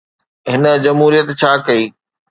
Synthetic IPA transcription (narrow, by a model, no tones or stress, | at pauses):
ɦɪnə̆d͡ʑɐmɦuːɾijət̪t͡ɕʰaːkɐiː